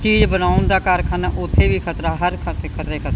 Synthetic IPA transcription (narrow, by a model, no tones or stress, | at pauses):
t͡ʃiːd͡ʒbənaːʊnd̪aːkaːɾkʰaːnaːʔʊt̪ʰːeːbiːkʰət̪ɾaːɦəɾkʰəkʰət̪ɾeːkʰət̪ː